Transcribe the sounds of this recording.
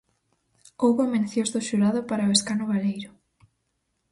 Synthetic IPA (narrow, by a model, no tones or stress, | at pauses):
owβʊamẽnθjozðʊʃuɾaðʊpaɾaoeskanʊβalejɾʊ